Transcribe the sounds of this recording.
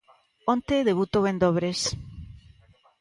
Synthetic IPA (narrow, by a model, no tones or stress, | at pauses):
ont̪eðeβut̪oβend̪oβɾes